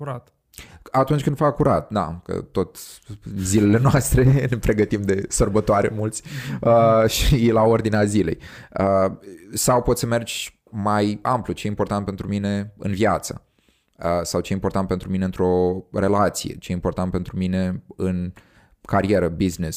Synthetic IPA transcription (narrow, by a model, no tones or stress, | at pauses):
ɾat̪ | at̪unt͡ʃʲkɨnd̪vakːuɾat̪̚d̪a̰kə̰t̪o̞t̪zile̞le̞noast̪ɾe̞ne̞pɾe̞ɡət̪imd̪e̞sərbət̪oaɾe̞̰mult̪sʲəʃilao̞rd̪ineazile̞̰jə | sawpo̞t̪səme̞rd͡ʒʲ | majamplut͡ʃe̞impo̞rt̪ant̪pe̞nt̪ɾumine̞ɨ̰nvjat̪sə | əsawt͡ʃejimport̪ant̪̚pe̞nt̪ɾumineɨnt̪ɾo̞re̞lat̪sijḛt͡ʃeimpo̞rt̪ant̪̚pe̞nt̪ɾumine̞ɨn | kaɾie̞ɾəbiznes